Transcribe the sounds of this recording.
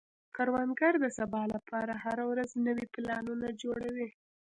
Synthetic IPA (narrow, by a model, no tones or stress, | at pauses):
kaɾwɑnɡaɾd̪əsabɑlapʰɑɾahaɾawɾaznəwiplɑnunad͡ʒoɽawi